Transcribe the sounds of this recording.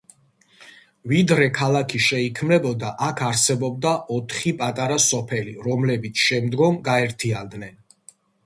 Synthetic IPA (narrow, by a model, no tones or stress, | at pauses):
vid̪ɾɛkʰalˠakʰiʃɛikʰmnɛbɔd̪aʔakʰaɾsɛbɔb̚d̪aʔɔt̪ʰχipʼat̪ʼaɾasɔpʰɛliɾɔmlɛbit̪sʰʃɛmd̪ɡɔmɡaɛɾt̪ʰiand̪nɛn